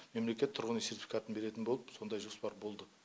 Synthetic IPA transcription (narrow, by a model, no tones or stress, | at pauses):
me̞mle̞kʲe̞t̪ʰːʊɾʁənisert̪ifʲi̥kat̪ənbe̞ɾe̞t̪ɪnbo̞lˠəpso̞nd̪ɑjʒo̞spɑɾbo̞lˠd̪ə